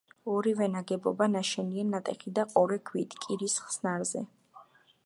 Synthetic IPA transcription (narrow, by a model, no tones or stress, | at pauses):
ɔɾivɛnaɡɛbɔ̰banaʃɛniɛnːat̪ʼɛχid̪aqʼɔɾɛkʰwit̪ʰkʼiɾisχsnaɾzɛ̰